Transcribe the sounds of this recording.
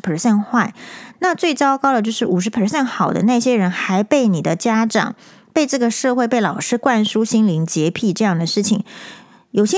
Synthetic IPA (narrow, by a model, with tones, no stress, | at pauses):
pʰə˞˨˩sə˥˧nxwa˥˩ɪna˥˧t͡swe˥˩ɪt͡sɑ˥ʊkɑ˥ʊd̪ə˨t͡ɕjo˥˧ʊʂɻ̩˥˩ʔu˨˩ʂ̬ɻ̩˧˥pʰə˞˨˩sə˥˩nxɑ˨˩ʊd̪ə̰˦na˥˩ɪɕjɛ˥ɻə˧˥nxa˧˥ɪpe˥˩ɪni˨˩d̪ə˦t͡ɕja˥ʈ͡ʂɑ̰˨˩ŋ | pe˥˧ɪʈ͡ʂɤ˥˩ɡə˩ʂɤ˥˧xwe˥˧ɪpe˥˩ɪlɑ˨˩ʊʂɻ̩˥kwa˥˩nʂu˥ɕi˥nli˧˥ŋt͡ɕjɛ˧˥pʰi˥˩ʈ͡ʂɤ˥˧jɑ˥˩ŋd̪ə˩ʂɻ̩˥˩t͡ɕʰḭ˨˩ŋ | jo˨˩ʊɕjɛ˥